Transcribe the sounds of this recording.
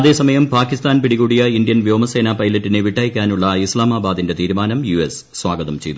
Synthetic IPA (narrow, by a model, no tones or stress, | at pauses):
ɐðe̞ːsɐmɐjɐmpaːkːist̪aːnpiɽiɣuːɽijɐind̪ijɐnʋjoːmɐse̞ːnaːpɐjlɐtːineʋiʈːaːjikʲːaːnuɭːɐislaːmaːbaːd̪inde̞t̪iːɾumaːnɐmjues | swaːɡɐðɐmt͡ɕe̞jt̪ːu